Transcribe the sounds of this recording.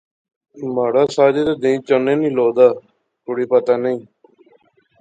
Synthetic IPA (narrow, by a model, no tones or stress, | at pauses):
maːɽaːsaːd͡ʒeːt̪eːd̪ẽːt͡ʃənẽːnĩːloːd̪aː | kʊɽiːpət̪aːnəĩː